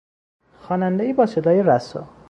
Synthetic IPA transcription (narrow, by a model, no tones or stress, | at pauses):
xɒːnænd̪eiːbɒːsed̪ɒːjeɾæsɒ̰